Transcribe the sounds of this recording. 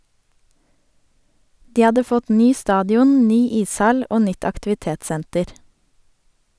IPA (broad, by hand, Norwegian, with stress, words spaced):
ˈdiː ˈɑdə ˈfɔt ˈnyː ˈstɑːdɪˌʊn ˈnyː ˈiːsˌhɑl ˈʔoː ˈnʏt ɑktɪʋɪˈteːtˌsɛntəɾ